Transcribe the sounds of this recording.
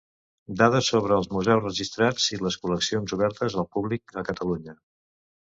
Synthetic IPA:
d̪að̞əsoβ̞ɾəːlˠzmuzɛwzrəʒist̪ɾad͡ziləskuləksionzuβɛɾt̪əzəlˠpuβlikəkət̪əluɲə

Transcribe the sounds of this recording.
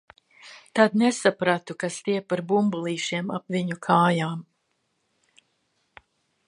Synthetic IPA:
t̪ad̪nesapɾat̪ukast̪ʲiɛpːaɾbumbulˠiːʃiɛmapviɲukʰaːjaːm

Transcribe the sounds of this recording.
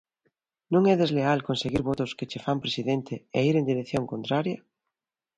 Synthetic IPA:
nõŋɛðezlealkonseɣiɾβɔt̪ʊsket͡ʃefampɾesiðent̪eeiɾend̪iɾeθjoŋkont̪ɾaɾjɐ

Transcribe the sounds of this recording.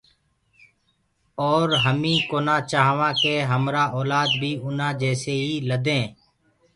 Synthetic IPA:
oːɾɦəmĩːkoːnãːt͡ʃaːɦʋãːkeːɦəmɾaːʔoːlaːd̪bʱiːʊnãːd͡ʒɛːseːiːləd̪ẽː

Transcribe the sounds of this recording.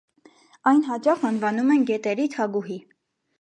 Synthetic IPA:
ɑjnɦɑt͡ʃɑχɑnvɑnumɛnɡɛt̪ɛɾit̪ʰɑɡuɦi

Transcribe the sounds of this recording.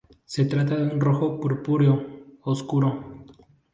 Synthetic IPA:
set̪ɾat̪̬aðeunroxokuɾpuɾjooskuɾo

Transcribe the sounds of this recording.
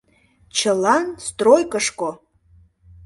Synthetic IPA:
t͡ʃʰɐlanst̪rojkʼəʂkʼo

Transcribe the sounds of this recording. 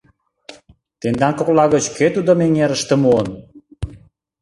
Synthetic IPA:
t̪end̪ɑnkoklɑɣə̆t͡ɕket̪ud̪omeŋeɾəʃt̪ə̆muən

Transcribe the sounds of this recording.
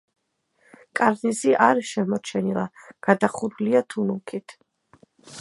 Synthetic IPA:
kʼaɾniziʔaɾʃɛmɔt͡ʃʰɛnilˠaɡ̥ad̪aχuɾuliat̪ʰunukʰit̪ʰ

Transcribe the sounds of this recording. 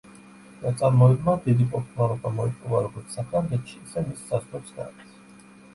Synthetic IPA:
d̪at̪sʼaɾmɔɛd̪mad̪id̪ipʼɔɾt̪ʼmaɾˠɔbamɔipʼɔvaɾɔɡɔɾt̪ssakʰɾamɡɛt̪ʃiːsɛmisːazʁɛpsɡ̪a̰ks

